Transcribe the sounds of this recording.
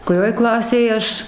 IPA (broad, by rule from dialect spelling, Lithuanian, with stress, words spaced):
kʊˈrʲoːj ˈklˠɑːsʲeːjɛ ˈɐʃ